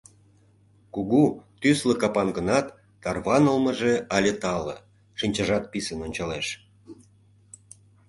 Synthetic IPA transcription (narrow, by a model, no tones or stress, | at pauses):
kuɣut̪ysləkɑpɑnɡə̆nɑt̪ː | ɑrβɑnəlmə̆ʒeɑlʲet̪ɑlə̆ | ʃinʲt͡ɕɑʒɑt̪̚pisənonʲt͡ɕɑleʃ